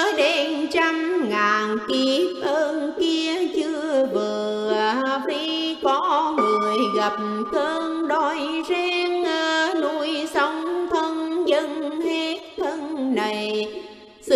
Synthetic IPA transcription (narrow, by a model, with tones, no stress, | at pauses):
ɗe˨˦nt͡ɕa˧mŋaː˨˩nki˧˦p̚ʔəː˧nki˧ət͡ɕɨ˧əəvɨ˨˩˨ | fi˧˦kɔ˨˦ŋɨ˨˩əjɣa˨˩p̚mkəː˧nɗo˧˩jzɛ˧ŋə˧nu˧jsə˧˦wŋ͡mt̪ʰə˧nzə˧ŋhɛe˧˥t̚t̪ʰə˧nna˨˩j | sɨ˧